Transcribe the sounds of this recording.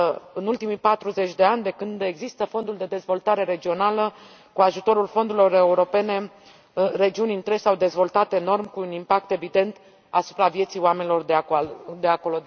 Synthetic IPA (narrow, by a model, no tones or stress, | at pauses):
ɨnult̪imijpat̪ɾuze̞t͡ʃʲd̪e̞anʲd̪e̞kɨnd̪e̞ɡzist̪əfo̞nd̪uld̪e̞d̪ezvo̞lt̪aɾe̞ɾe̞d͡ʒio̞nalə | kuaʒut̪o̞ɾulfo̞nd̪uɾilo̞re̞uɾo̞pe̞ne̞ | re̞d͡ʒiunʲint̪ɾesawd̪e̞zvo̞lt̪at̪e̞no̞rmkuːnimpak̚t̪e̞vid̪e̞nt̪ | asu̥pɾavje̞t̪sijoame̞nilo̞rd̪ed̪eako̞lo̞